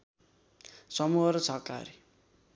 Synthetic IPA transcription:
sʌmuɦʌɾʌt͡sʰʌka̰ɾi

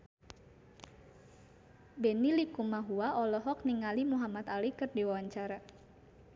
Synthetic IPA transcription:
benilikumaɦuaɔlɔɦɔk̚niŋalimuɦamat̪alikɨrdiwawaɲt͡ʃaɾa

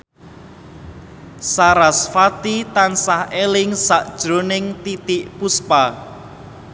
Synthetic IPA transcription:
saɾasfat̪it̪ansahelɪŋsaʔd̥ʒ̥ɾonɪŋt̪it̪iʔpuspa

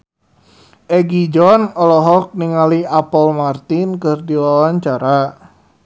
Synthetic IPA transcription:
ʔɛɡid͡ʒɔnɔlɔɦɔk̚niŋaliapɔlmart̪inkɨrdiwawaɲt͡ʃaɾa

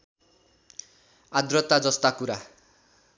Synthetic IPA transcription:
ad̪rʌt̪ad͡zʌst̪akuɾa

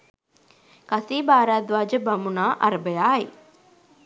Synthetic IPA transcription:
kɐsiːbaːɾaːd̪ʋaːd͡ʒəbɐmunaːʔɐɾɐbɐjaːi

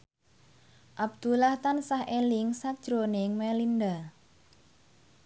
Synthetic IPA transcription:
ʔab̚d̪̥ulaht̪ansahelɪŋsakd̥ʒ̥ɾonɪŋmɛlinda

